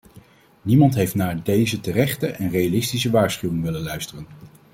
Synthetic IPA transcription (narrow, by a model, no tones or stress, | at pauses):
nimɑntɦejftnaːɹdejzətərɛχtəʔɛnrejalɪstisəʋaːɹsχywɪŋʋɪlənlœɥstərən